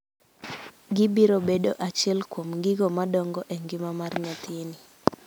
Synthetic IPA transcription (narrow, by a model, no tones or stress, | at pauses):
ɡɪbiɾobedoʔat͡ʃɛlkwomɡɪɡomadɔŋɡɔʔeŋɡɪmamarɲat̪ʰːni